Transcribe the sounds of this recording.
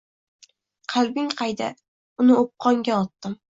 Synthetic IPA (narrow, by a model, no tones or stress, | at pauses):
qʰɑlˠbɪŋqʰɑjd̪a | ʊnɪop̚qʰɒŋɡʲaɒt̪ːɪm